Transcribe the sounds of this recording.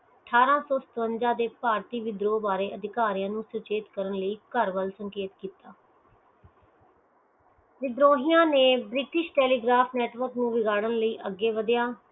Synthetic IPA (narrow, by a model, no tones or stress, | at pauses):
əʈʰaːɾãːsɔːsə̥t̪ənd͡ʒãːd̪eːpaːɾt̪iːʋɪd̪ɾoːbaːɾeːʔəd̪ɪkaːɾijãːnũːsʊt͡ʃeːt̪kəɾənləiːkəɾʋəlsəŋkeːt̪kiːt̪aː | ʋɪd̪ɾoːɦɪjãːneːbɾɪʈɪʃʈɛːliːɡɾaːpʰnɛːʈʋəɾknũːʋɪɡaːɽənləiːʔəɡːeːʋəd̪jaː